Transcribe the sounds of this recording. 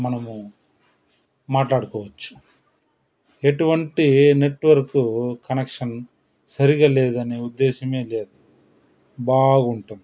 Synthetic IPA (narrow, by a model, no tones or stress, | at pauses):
mɐnɐmu | maːʈlaːɽukɔːʋɐt͡ʃːu̥ | e̞ʈuʋɐɳʈine̞ʈʋɐɾkukɐnekʂɐn | sɐɾiɡaːlɛːd̪ɐneːud̪ːɛːʃɐme̞ːleːd̪u | baːɡuɳʈɐm